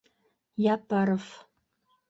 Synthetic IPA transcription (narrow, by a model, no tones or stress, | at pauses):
japaɾəf